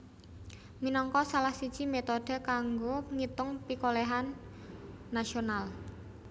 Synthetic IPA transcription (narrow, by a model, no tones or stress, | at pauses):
minɔŋkɔsalahsid̥ʒ̥i̤met̪od̥ə̤kaŋɡoŋit̪ʊŋpikolɛɦanː | aʃional